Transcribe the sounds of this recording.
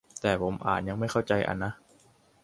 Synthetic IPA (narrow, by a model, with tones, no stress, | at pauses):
t̪ɛː˨˩pʰo˩˦mʔa̰ː˨˩t̪̚ja˧ŋma˥˩jkʰa˥˩wt͡ɕa˧jʔa̰˧nːa˦˥